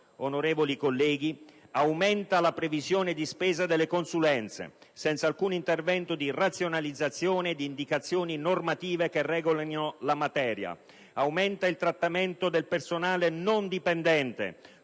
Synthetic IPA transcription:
onoɾeːvolikolːɛːɡiawmɛnt̪alapɾevizjoːned̪ispeːzad̪elːekonsulɛnt̪sḛsɛnt̪salkuːnint̪ervɛnt̪od̪irat̪sjonalid̪zːat̪sːjoːned̪iːnd̪ikat̪sːjoːninormat̪iːvekerɛːɡolanolamat̪ɛːɾja̰ | awmɛnt̪ailt̪ɾat̪ːament̪od̪elpersonaːlenond̪ipend̪ɛnt̪ḛ

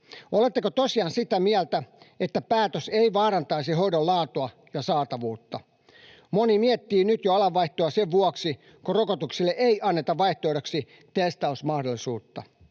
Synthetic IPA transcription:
olet̪ːekot̪osiɑːnsit̪æmiælt̪æ | et̪ːæpæːt̪øseiʋɑːɾɑnt̪ɑisiɦoidollɑːt̪oɑ | jɑsɑːt̪ɑʋuːt̪ːɑ | monimiɛt̪ːiːnyt̪joɑlɑʋːɑiht̪oɑseʋʋuɔksi | korokot̪uksilːeʔeiʔɑnːet̪ɑʋʋɑiht̪oːɾɑksi | t̪est̪ɑusmɑhdolːˑisuːt̪ːɑ

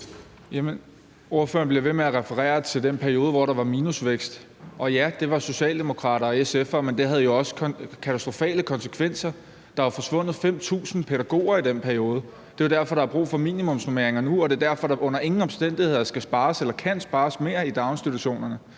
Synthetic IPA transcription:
jemen | o̝ɐfø̰ɐnb̥leʋe̝meæʁɛfəʁɛ̰ːɐt͡sʰe̝ld̥enpʰæɐio̝ːð̞ˠəʋɒɾ̥ɑ̈ʋɑ̈miːnusʋeɡ̥sd̥ | ʔɒ̽jæd̥e̝ʋɑ̈so̝ɕɛ̰ːld̥e̝mo̝kʰʁɑ̰̈ːɾ̥ɐːesefɐmend̥e̝ɦæð̞ˠjo̝ɒ̽sə̥kʰæt͡sʰæsd̥ʁo̝fɛ̰ːləkʰɒ̽nsə̥kʰʋen̰sɐ | d̥ɑ̈ʋɑ̈fɒ̽sʋɔ̽n̰ð̞̩ˠfem̰t͡sʰṵːsn̩pʰeɾ̥æɡ̥o̝̰ːɐid̥enpʰæɐijo̝ːð̞ˠə | d̥e̝ʋɑd̥æɐfɒ̽ɾ̥ɑ̈æb̥ʁṵːfɒ̽mḭːnimɔ̽msnome̝ɐe̝ŋɐnuɒ̽d̥e̝ɐd̥æɐfɒ̽ɾ̥ɑ̈ʔɔ̽n̰ɐe̝ŋn̩ɒ̽msd̥en̰d̥ihe̝ð̰ˠɐsɡ̥æsb̥ɑ̈ːselɐkʰæn̰sb̥ɑ̈ːsme̝ɐid̥ɑ̈ʊnsd̥it͡sʰuɕo̝̰ːnɐnə

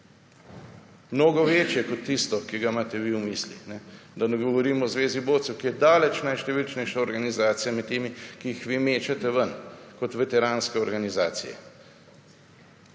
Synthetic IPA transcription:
mnoːɡɔʋeːt͡ʃjɛkɔt̪ːist̪ɔkiɡaimaːt̪ɛʋiumiːslḭnɛd̪anɛɡɔʋɔɾiːmɔzʋeːziboːt̪sɛwkijɛd̪aːlɛt͡ʃnajʃt̪ɛʋilt͡ʃnɛjʃaɔɾɡanizaːt̪sijamɛt̪ːeːmikiixʋiːmeːt͡ʃat̪ɛʋənkɔt̪ʋɛt̪ɛɾaːnskɛɔɾɡanizaːt̪sḭjɛ̰

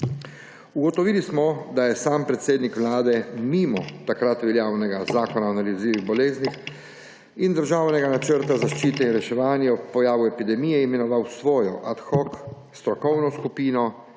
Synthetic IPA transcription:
uɡɔt̪ɔʋiːlismɔd̪ajɛsaːmpɾɛt̪seːd̪nikʋlaːd̪ɛmimɔt̪akɾat̪ʋɛljaːwnɛɡazaːkɔnanaliziːʋiɣbɔleːznix | ind̪əɾʒaːwnɛɡanat͡ʃəɾt̪azaʃt͡ʃiːt̪ɛinɾɛʃɛʋaːnjɛupɔjaːʋuɛpid̪ɛmiːjɛimɛnɔʋawsʋɔːjɔʔat̪xɔk | st̪ɾɔkɔwnɔskupiːnɔ

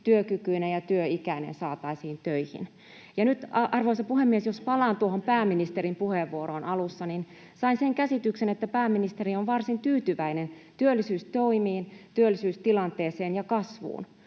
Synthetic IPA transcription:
t̪yøkykyinejɑt̪yøikæinḛnsɑːt̪ɑisiːnt̪øihḭn | jɑnyt̪ɑrʋoisɑpuhemːiesjospɑlɑːnt̪uohompæːmːinist̪eɾimpuheʋːuoɾoːnʔɑlusːɑnin | sɑinseŋkæsit̪yksenet̪ːæpæːmːinist̪eɾioʋʋɑrsint̪yːt̪yʋæinen | t̪yølːisyːst̪oimiːnt̪yølːisyːst̪ilɑnt̪eːseːnjɑkɑsʋṵːn

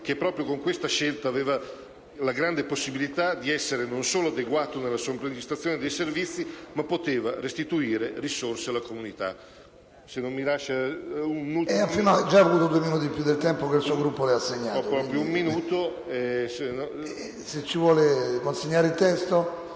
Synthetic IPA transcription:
k̟epːɾɔːpɾjokoŋkwest̪aʃelt̪aːveːva | laɡɾand̪eposːibilit̪ad̪iɛsːeɾenonsoːload̪eɡwaːt̪onelːasuompɾend͡ʒ̪ist̪at̪sːjoːned̪ejservit̪sːimapːot̪eːva̰ɾest̪it̪uiːɾerisorsealakomunit̪a̰ | senːomːilaʃːaunnuɛafinoad͡ʒːaavoluːt̪od̪ueminuːt̪ipjud̪ːelt̪ɛmpokelsuːoɡɾupːolɛasːeɲːaːɔɾɔpɾjoumminuːt̪o | ɛsen | set͡ʃːivwɔːlekonseɲːaːɾeilt̪ɛst̪o

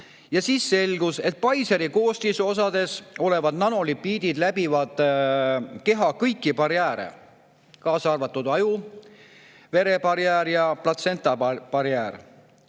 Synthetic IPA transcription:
jɑsiːsːe̞lɡ̥uset̪̚pɑjseɾiko̞ːst̪iso̞s̬ɑd̪̥e̞so̞le̞vɑd̪̥nɑno̞lipːiːd̪̥id̪læbivɑd̪̥ | ke̞ɦɑkɤjkːˑipɑɾjæːɾḛ | kɑːsɑrvɑt̪ːˑud̪̥ɑju | ve̞ɾe̞bɑɾjæːɾjɑplɑt̪se̞nt̪ˑɑpɑɾjæːr

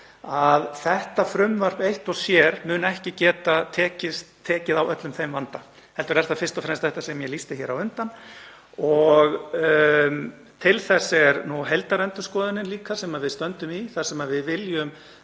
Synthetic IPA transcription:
aðθɛht̪afɾʏmvar̥pejht̪ɔsjɛɾmʏnɛhcɪcɛːt̪at̪ʰɛːcɪst̪t̪ʰːɛːcɪðawœt̪lʏmθejmvant̪a | hɛlt̪ʏɾɛɾ̥t̪afɪrst̪ɔfɾɛmst̪θɛht̪asɛmjɛlist̪ɪçɛɾawʏnt̪an | ɔɣ | t̪ʰɪlθɛsːɛɾnuɦɛlt̪aɾɛnt̪ʏskɔːðɪnɪnliːkasɛmaðvɪðst̪œnt̪ʏmiθḁsɛmaðvɪðvɪljʏm

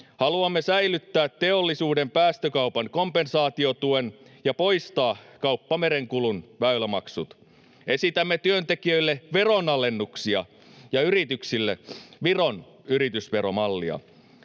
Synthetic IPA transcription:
hɑluɑmːesæjlyt̪ːæːt̪ːe̞olːisuːde̞mpæːst̪økɑupɑŋko̞mpe̞nsɑːt̪iot̪uenjɑpo̞jst̪ɑːkɑupːɑme̞ɾe̞ŋkulunʋæylæmɑksut̪ | e̞sit̪æmːet̪yønt̪e̞kiø̞ilːeʋe̞ronɑle̞nːuksiɑ̰ | jɑyɾit̪yksilːeʋiro̞n | yɾit̪ysʋe̞ɾomɑlːiɑ̰

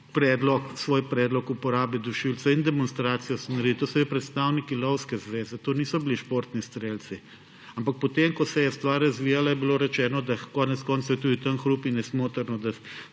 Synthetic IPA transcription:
pɾɛːd̪lɔksʋoːjpɾɛːd̪lɔkupɔɾaːbid̪uʃilt̪sɛind̪ɛmɔnst̪ɾaːt̪sijɔsɔnɐɾiit̪osɔbipɾɛt̪st̪awnikilɔwskɛzʋeːzɛt̪oːniːsɔbiliʃpoːɾt̪nist̪ɾeːlsi | ampak̚pɔt̪emkɔsɛjɛst̪ʋaɾːɐzʋiːjalajɛbiloːɾɛt͡ʃɛːnɔd̪akɔːnɛt̪skɔːnt̪soʊjɛt̪uːd̪it̪anxɾupinɛsmoːt̪əɾnɔd̪a

